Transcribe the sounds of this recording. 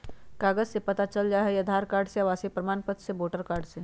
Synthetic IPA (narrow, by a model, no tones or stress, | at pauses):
kaːɡəd͡ʒsepɐt̪at͡ʃəld͡ʒaːɦɛjɐd̪ʱaːɾkaːɾɖsejaʋaːsepɾɐmaːnpət̪seboːʈəɾkaːɾɖse